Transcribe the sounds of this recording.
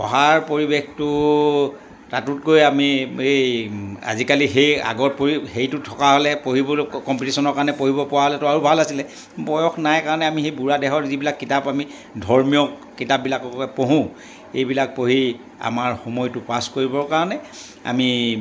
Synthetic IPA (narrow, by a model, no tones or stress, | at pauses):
ɔ̰ɦaɹpoɹibextʊ | tatut̚kojamie | a̰zikalixeja̰ɡɔɹpoɹixejtʊtʰɔkaɦolɛpoɦibɔkɔmpitisɔnɔɹkaɹɔnɛpoɦibɔpʊwaɦɔlɛtʊaɹubʱalasilɛ | bɔjɔxʰnajkaɹɔnɛamixejbuɹadɛxɔɹzibilakːitapami | dʱɔɹmijɔkkitap̚bilakpoɦũ | ejbilak̚poɦi | a̰maɹxomɔjtʊpaskoɹibɔɹkaɹɔnɛ | a̰mi